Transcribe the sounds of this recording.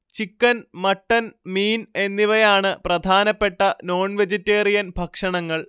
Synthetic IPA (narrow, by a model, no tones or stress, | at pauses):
t͡ɕikːɐnmɐʈːɐnmiːne̞nːiʋɐjaːɳɨprɐd̪ʱaːnɐpːe̞ʈːɐno̞ːɳʋed͡ʑetːeːrijɐnbʱɐkʂɐɳɐŋːɐɭ